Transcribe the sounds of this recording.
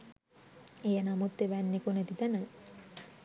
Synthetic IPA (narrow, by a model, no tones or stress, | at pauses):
ejənamut̪ːeʋænːekuned̪it̪ænə